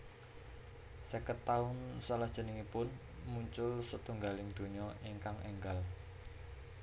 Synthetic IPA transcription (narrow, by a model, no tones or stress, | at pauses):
səkət̪ːaʊnsalahd̥ʒ̥ə̤nɪŋipʊn | muɲt͡ʃʊlsət̪uŋɡalɪŋd̪̥o̤ɲɔʔiŋkaŋʔɛŋɡal